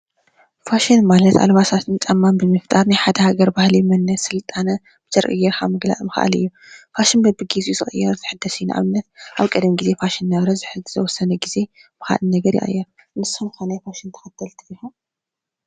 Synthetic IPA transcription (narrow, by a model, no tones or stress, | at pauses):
faʃɪnmalɐt̪a̰lβasat̪ʰɨnt͡ʃʼɐmːambɨmɨft̪ʼaɾnajħad̪ɐhaɡɐɾbahlimɐnːɐsɨlt̪ʼanɐ | b̥ɨzɐɾʔʼɨ̰jːɛɾxʰamɨɡla̰ʔʼmɨxʔa̰lɨ̰jːu | faʃɪnbɐbɨɡizuzɨχʼɨ̰jːɛɾzʰɨħɨd̪ːɐsɨjnʔa̰βɨnːɐt̪̚ʔaβkʼɐd̪mɡize̞faʃɪnːɐβɾɐzɨħɨɨzʰɐwɔsːɐnɐɡize̞m̥ɨxa̰lɨnɐɡɐɾjḭʔa̰jːɐ | nɨsomkʰanajfaʃɪnt̪ʰɐ̥xɐt̪ʰɐlt̪ʰiʔxu